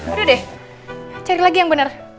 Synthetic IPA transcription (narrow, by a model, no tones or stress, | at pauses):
dedɛ | t͡ʃaɾilaɡijaŋbənər